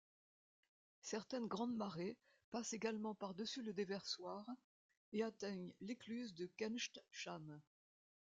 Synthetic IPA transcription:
sɛʁt̪ɛnɡʁɑ̃d̪maʁe | paseɡalmɑ̃paʁd̪əsyləd̪evɛʁswaʁ | eat̪ɛɲleklyzd̪əkɛnʃt̪ʃam

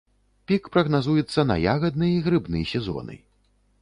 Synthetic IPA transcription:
pʲikpɾɐɣnazujɛt̪sːɐnɐ̰jaɣɐd̪̚nɨjiɣɾɨbnɨjsʲɛzɔ̰nɨ̰

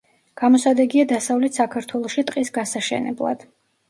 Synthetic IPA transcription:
ɡ̥amɔsad̪ɛɡiad̪asavlɛt̪ʰsakʰaɾt̪ʰwɛlˠɔʃit̪ʼqʼisɡasaʃɛ̰nɛ̰blˠa̰d̪̥

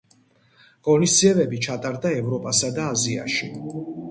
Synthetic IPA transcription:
ɡ̥ʼɔnist̪siɛbɛbit͡ʃʰat̪ʼaɾd̪aɛvɾɔpʼasad̪aːzia̰ʃi

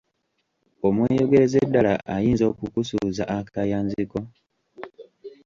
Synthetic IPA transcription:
omweːjoɡeezedːalaʔajiːnzo̞ːkukusuzaʔakajaːnziko̞

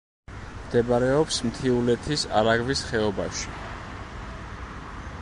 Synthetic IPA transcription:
md̪̥ɛbaɾɛɔpsmt̪ʰiulɛt̪ʰisaɾaɡvisχɛɔba̰ʃi̥

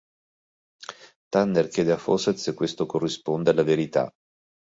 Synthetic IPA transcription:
t̪anːerkjɛːd̪eafo̰set̪sekːwest̪okorːispond̪ealːaveɾit̪a̰

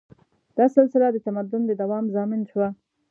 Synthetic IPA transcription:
d̪̥ɑsɪlsɪlad̪ət̪amad̪ʊnd̪əd̪awɑmzɑmɪnʃwa

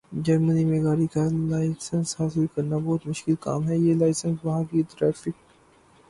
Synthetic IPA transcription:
d͡ʒɐɾmənimẽɡaːɾikalaːɪsə̃nshaːsɪlkɐɾnabɔːt̪mʊʃkɪlka̰ːmɦɛjelaːɪsə̃nsʋɐɦãkit̪ɾɛːfɪk̚

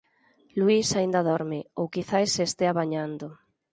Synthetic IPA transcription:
luisaind̪aðɔɾmɪowkiθajsːeːst̪eaβaɲand̪o

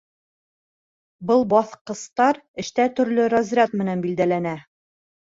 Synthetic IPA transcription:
bɤlˠbɒθqɤ̆st̪ɑɾɘ̆ʃt̪æt̪ɵ̆ɾlɵɾɑzʲjʲat̪mɘ̆nænbild̪ælænæ

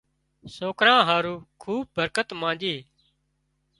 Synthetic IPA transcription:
soːkɾãːɦaːɾuːkʰuːb̚bəɾkət̪mãːnd͡ʒeː

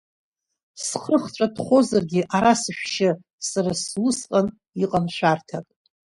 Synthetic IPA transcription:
sχəχt͡ʃʷʼadχʷo̞zarɡʲɪʔaɾasɨʃᶣʷʃɪ | saɾaslɨsqʼan | iqʼanʃʷᶣartʰakʼ

